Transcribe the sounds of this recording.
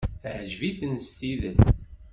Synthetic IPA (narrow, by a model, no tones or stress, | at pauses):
θʕʒviθənst̪iðəθ